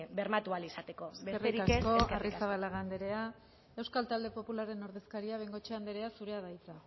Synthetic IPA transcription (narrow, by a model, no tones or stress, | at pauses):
beɾmat̪ualisat̪e̞ko̞eereɾik̪aksko̞arisaβ̞alaɣand̪eɾe̞a | e̞wskalt̪ald̪e̞po̞pulaɾe̞no̞ɾðe̞skaɾiaβ̞e̞ŋɡo̞t͡ʃeand̪eɾe̞asuɾe̞aðajt͡s̪a